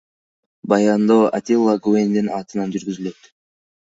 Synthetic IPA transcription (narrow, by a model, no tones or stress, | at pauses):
bɑjɑnd̪oa̰t̪ʲilˠːaɡuend̪inɑːt̪ɯnɑnd͡ʒyɾɡyzylø̞t̪